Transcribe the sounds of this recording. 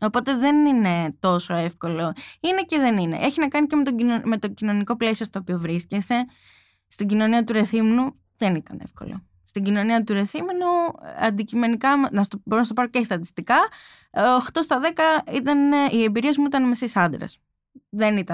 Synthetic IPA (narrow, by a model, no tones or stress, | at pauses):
o̞po̞t̪e̞ðe̞nine̞t̪o̞so̞e̞fko̞lo̞ine̞ce̞ðe̞nine̞̰ʔeçinɐkɐnicemet̪oime̞t̪o̞cino̞niko̞ple̞sio̞st̪oːpio̞vɾiscese̞ | st̪iɟino̞niɐt̪uɾe̞θimenu | ðenit̪ɐnefko̞̰lo̰ | st̪iɟino̞niɐt̪uɾe̞θimenuɐ̰nd̪icime̞nikɐmnɐsoboɾonst̪oɐɾocest̪ɐt̪ist̪ikɐː | xt̪o̞st̪ɐðe̞kɐit̪ɐniembiɾie̞zmuit̪ɐnmesisɐnd̪ɾḛs | ðenit̪ɐ